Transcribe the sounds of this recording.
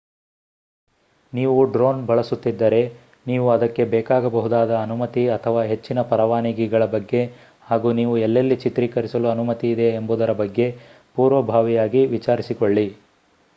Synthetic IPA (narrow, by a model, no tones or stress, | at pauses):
niːʋuɖɾoːnbɐɭɐsut̪ːid̪ːɐɾe̞ | niːʋuɐd̪ɐkːe̞bɛːkaːɡɐbɐɦud̪aːd̪ɐːnumɐt̪iɐt̪ʰɐʋaːɦe̞t͡ʃːinɐpɐɾɐʋaːniɡiɡɐɭɐbɐɡːe̞ | haːɡuːniːʋuɛlːɐlːit͡ʃit̪ɾikɐɾisɐluɐnumɐt̪iːd̪e̞ːmbud̪ɐɾɐbɐɡːe̞ | puːɾʋɐbʱaːʋijaːɡiʋit͡ʃaːɾisiko̞ɭːi